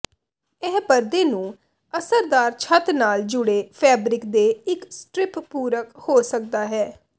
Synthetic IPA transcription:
ɛɦbəɾd̪eːnũː | əsəɾd̪aːɾt͡ʃʰət̪naːld͡ʒʊɽeːpʰɛːbɾɪkd̪eːɪksʈɾɪppuːɾəkhoːsək̚d̪aːɦɛː

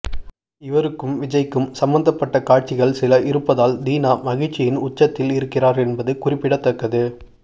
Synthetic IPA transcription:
ɪʋɐɾɯkːɯmʋɪd͡ʒɐɪkːɯmsɐmbɐnd̪ɐpːɐʈːɐkaːʈ̚t͡ʃɪɣɐɭsɪlɐʔɪɾɯpːɐðaːld̪iːnaːmɐɣɪt͡ʃːɪjɪnʊt͡ʃːɐt̪ːɪlɪɾɯkːɪraːɾɛnbɐðɯkʊrɪpːɪɽɐt̪ːɐkːɐðɯ

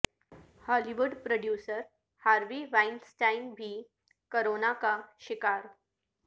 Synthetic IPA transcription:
hɔliʋuɖpɾoɖjusəɾ | haɾʋiʋainsʈainbʱiː | koɾonakaɕikaɾ

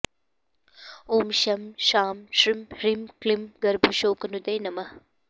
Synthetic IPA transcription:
oːmʃɐmʃaːmʃɾimɾimklimɡɐɾbʱuʃoːkɐnud̪ɐjnɐmɐh

